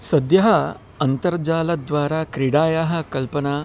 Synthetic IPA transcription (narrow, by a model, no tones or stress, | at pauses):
sɐd̪jɐɦɐ | ɐnt̪ɐɾd͡ʒaːlɐd̪ʋaːɾaːkɾiɽaːjaɦɐ̆kɐlpɐnaː